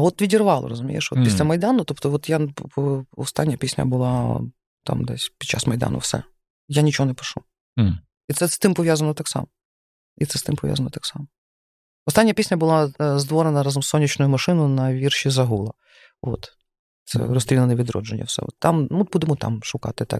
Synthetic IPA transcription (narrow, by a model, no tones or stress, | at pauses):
ɔt̪ʋʲidʲirʋɑlˠɔ̰ɾɔzʊmʲḭjeʃʋɔ̰t̪ːɛsʲt̪ʲɛmɐjd̪ɑnʊt̪ɔpt̪ɔʋɔt̪jaɔɔst̪ɑnʲːɐpʲisʲnʲɐ̰bʊlˠɑ | t̪ɑ̰md̪ɛ̰sʲpʲid̪t͡ʃa̰smɐjd̪ɑ̰nʊ̰wsɛ̰ | janʲit͡ʃɔɦɔnɛpɔ̥ʃu | it̪sɛst̪ɪmpɔʋʲjazɐnɔt̪ɑksɑ̰mɔ | it̪sɛst̪ɪmpɔʋʲja̰zɐnɔ̰t̪ɑksɑmɔ | ɔst̪ɑnʲːɐpʲisʲnʲɐbʊlˠɑzd̪ʋɔɾenɐɾɑzɐmsːɔnʲːit͡ʃnʊjʊmɐʃɪnʊnɐʋʲirʃizɐɦulˠɐ | o̰t̪ | t̪sɛ̰rɔst̪ɾʲilˠenɛʋʲid̪ɾɔ̰d͡ʒenʲːɐ̰wsɛ̰ɔ̰t̪ːɑmʊbud̪emɔt̪ɑ̰mʃʊkɑ̰t̪ɪt̪ɑ̰k